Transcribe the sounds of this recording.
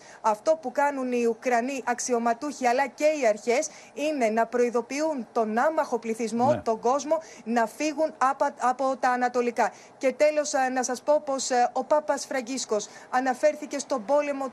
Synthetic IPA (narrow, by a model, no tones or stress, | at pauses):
ɐft̪o̞pukɐnuniukɾɐniʔɐksio̞mɐt̪uçiɐlɐce̞iɐɾçe̞s | ine̞nɐpɾo̞iðo̞piunt̪o̞nɐmɐxo̞pliθizmo̞t̪o̞ŋɡo̞zmo̞ | nɐfiɣunɐpo̞t̪ɐːnɐt̪o̞likɐ | ce̞t̪elo̞snɐsɐspo̞po̞so̞pɐpɐsfɾɐɲɟisko̞sɐnɐfe̞ɾθice̞st̪o̞bo̞le̞mo̞